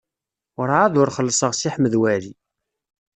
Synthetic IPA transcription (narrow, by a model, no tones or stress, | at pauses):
ʊɾˤaðʊɾχəlːsˤəʁsiħməðwæli